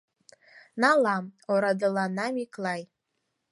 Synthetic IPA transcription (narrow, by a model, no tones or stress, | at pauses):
nalamoɾadɨlanamikʰʼlaj